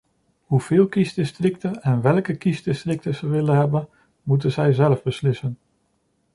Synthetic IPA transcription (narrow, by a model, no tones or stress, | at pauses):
huv̥ɪːlˠkizdɪstrɪktəɛnʋɛlˠkəkizdɪstrɪk̚təzəʋɪlənɦɛbən | mut̬ənzɛjzɛləvbəslɪsən